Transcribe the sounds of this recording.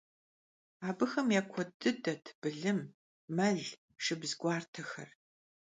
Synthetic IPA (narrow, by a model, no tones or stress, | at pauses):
aːbɨxɐmjaːkʷʰɔdɨdɐtʰb̥ɨɮɨm | mɐɮ | ʃɪbzɡʷaːrtʰɐxɐ̰r